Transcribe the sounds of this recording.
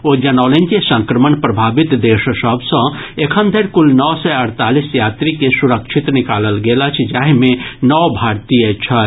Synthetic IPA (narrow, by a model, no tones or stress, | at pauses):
od͡ʒɐnɔːlẽnd͡ʒisə̃ŋkɾəmənpɾɐbʱaːbɪt̪d̪eːʃsəbsə̃ekʰə̃nd̪ʱeɾkʊlnɔːsɛɐɾt̪aːlisjaːt̪ɾikesuɾəkʃʰit̪nɪkaːləlɡeːlat͡ʃʰd͡ʒaːɦmẽnɔʋbʱaːɾt̪ijət͡ʃʰɐ